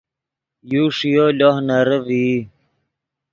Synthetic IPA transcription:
juʂijolohnaɾəvi

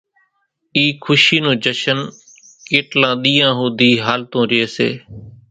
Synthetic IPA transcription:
iːkʰʊʃiːnõːd͡ʒəʃən | keːʈlãːɗ̪iːãːɦũːd̪iːɦaːlt̪õːɾɪeːsḛː

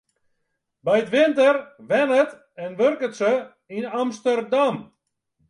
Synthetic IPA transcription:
bɛjətʋɪntərʋɛnət | ɛnʋørkətsə | inamstərdam

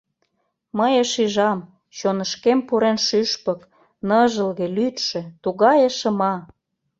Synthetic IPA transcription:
məjəʃiʒɑm | t͡ɕonəʃkempuɾenʃyʃpɤ̆k | nɤʒə̆lɣĕlyt̪ʃĕt̪uɣɑjəʃə̆mɑ

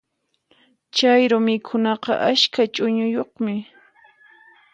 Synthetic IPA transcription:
t͡ʃajɾʊmɪkʰʊnɑqɑ̰ʔaʃkat͡ʃʼʊɲʊjoχmɪ

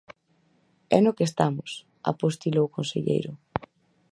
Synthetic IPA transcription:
ɛnokest̪amʊs | a̰post̪ilowkonsḛʎḛjɾʊ

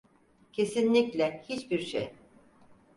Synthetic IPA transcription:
cʰe̞sinlʲiclʲɛhit͡ʃbiɾʃḛj

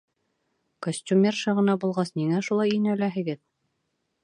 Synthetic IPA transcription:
kosʲtʲumʲerʃɤʁɤ̆nɑbulˠʁɑsniŋæʃulˠɑjinælæɦɘ̆ɡɘð

